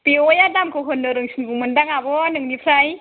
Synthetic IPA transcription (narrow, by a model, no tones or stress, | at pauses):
piojadamkɔɦɯnːɯɾɯŋsʰinkuŋmɯndaŋabɔnɯŋnipʰɾaj